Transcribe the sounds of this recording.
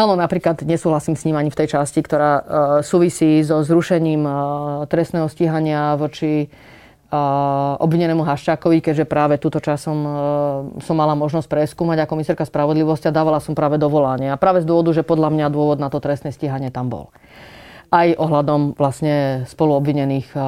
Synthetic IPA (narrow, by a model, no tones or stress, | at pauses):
aːnɔnapɾiːklad̪ɲɛsuːɦlasiːmsɲiːmaɲift̪ɛjt͡ʃascikt̪ɔɾaːsuːʋisiːzɔzɾuʃɛɲiːmt̪ɾɛst̪nɛːɦɔsciɦaɲɪaʋɔt͡ʃi | ɔ̰bʋiɲɛnɛːmuɦaʃt͡ʃaːkɔʋikɛɟʒɛpɾaːʋɛt̪uːt̪ɔt͡ʃasɔm | sɔmːalamɔʒnɔsc̚ʲpɾɛskuːmaɟakɔmisaːɾkaspɾaʋɔd̪liʋɔscad̪aːʋalasɔmpɾaːʋɛd̪ɔʋɔlaɲɪɛapɾaːʋɛzd̪ʊɔʋɔd̪uʒɛpɔd̪ʎamɲad̪ʊɔʋɔd̪nat̪ɔt̪ɾɛst̪nɛsciɦaɲɪɛt̪ambɔ̰l | ʔajʔɔɦlad̪ɔmʋlasɲɛspɔluɔbʋiɲɛniːx